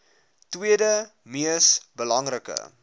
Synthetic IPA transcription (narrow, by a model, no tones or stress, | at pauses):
twiədə | miəsbəlɐŋrəkə̰